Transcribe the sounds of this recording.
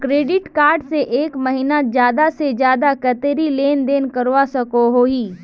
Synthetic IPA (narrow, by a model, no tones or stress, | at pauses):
kɾeːɖɪʈkaːɾɖseʔeːkməɦinazjaːd̪ased͡ʒjaːd̪akɐt̪eɾileːnd̪eːnkəɾʋasɐkoɦoːɦiː